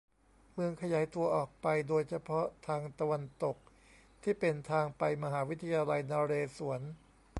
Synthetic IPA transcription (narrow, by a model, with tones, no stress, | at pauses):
mɯ˧əŋkʰa˧jaː˩˦jt̪u˧ɐʔɔː˨˩k̚pa˧jdoː˧jt͡ɕʰa˧pʰɔ˦˥t̪ʰaː˧ŋt̪a˧wa˧nt̪o˨˩k̚ | t̪ʰiː˥˩pe˧nt̪ʰaː˧ŋpa˧jma˧ɦaː˩˦wi˦˥t̪ʰːa˧jaː˧la˧jnaː˧ɾeː˧su˩˦ən